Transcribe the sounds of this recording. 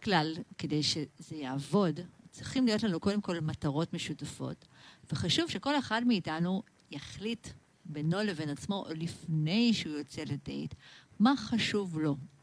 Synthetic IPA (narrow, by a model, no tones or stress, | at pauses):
klalke̞de̞jʃe̞zejaːvo̞dt͡sʁiχimlijo̞tlanuko̞demko̞lmataʁo̞tme̞ʃutafo̞̰tveχaʃuv̥ʃe̞ko̞le̞χadmeitanu | jaχlit | beno̞le̞ve̞nat͡smo̞lifne̞jʃeujo̞t͡se̞ledḛjtmaχaʃuvlo̞